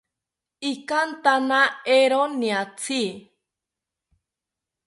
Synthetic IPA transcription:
ikant̪anaeɾoniat͡sʰi

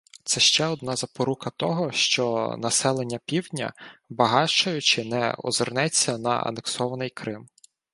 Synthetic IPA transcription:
t̪sɛʃt͡ʃɛɔd̪̚nɑzɐpɔɾukɐt̪ɔɦɔʃt͡ʃɔnɐsɛlˠenʲːɐpʲiwdʲnʲɐ̰bɐɦɑʃt͡ʃɐjʊt͡ʃɪnɛɔ̰zernɛt͡sʲːɐnɐ̰ɐ̰neksɔʋɐnɪjkɾɪm

